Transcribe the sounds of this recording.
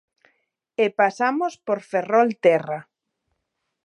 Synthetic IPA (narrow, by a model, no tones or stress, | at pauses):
epasamospoɾferɔlt̪ɛra